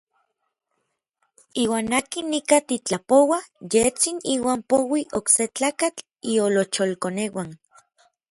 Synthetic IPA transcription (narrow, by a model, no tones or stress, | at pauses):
iːwaːnakinːikat̪it͡ɬapowajet͡siniːwaːmpowiʔokset͡ɬaːkat͡ɬ | iolot͡ʃolkonewan